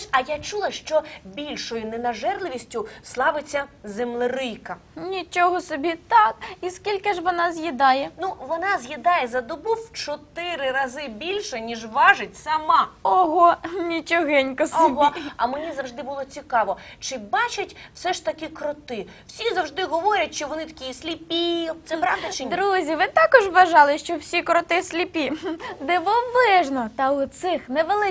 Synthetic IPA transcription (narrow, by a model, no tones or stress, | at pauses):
ʃɐjat͡ʃulˠɐʃt͡ʃɔbʲilʲʃɔjʊnɛnɐʒɛrlˠɪʋʲisʲtʲʊslˠɑʋɪt͡sʲːɐzemlˠɪɾɪjkɐ | nʲit͡ʃɔɦɔsɔbʲit̪ɑkiskʲilʲkɪʒʋɔnɑzjid̪ɑjɛnuʋɔnɑzʲjid̪ɑjɛzɐd̪ɔbuwt͡ʃɔt̪ɪɾɪɾɐzɪbʲilʲʃɛnʲiʒʋɑʒɪtʲsɐmɑɔɦɔnʲit͡ʃɔɦɛnʲkɔslipɦɐmenʲizɐwʒd̪ɪbʊlˠɔt͡sʲikɑʋɔt͡ʃɪbɑt͡ʃɐtʲw̥sɛʃt̪ɐkɪkɾɔt̪ɪ | w̥sʲizɐwʒd̪ɪɦɔʋɔɾʲɐtʲʃt͡ʃɔʋɔnɪt̪ɐ̥kʲijisʲlʲipʲit̪sɛpɾɑʋd̪ɐt͡ʃɪd̪ɾuzʲiʋɪt̪ɑkɔʒʋɐʒɑlˠɪʃt͡ʃɔwsʲikɾɔt̪ɪsʲlʲipʲid̪ɛʋɔblˠɪʒnɔt̪ɐʊt̪sɪxnɛʋelˠɪ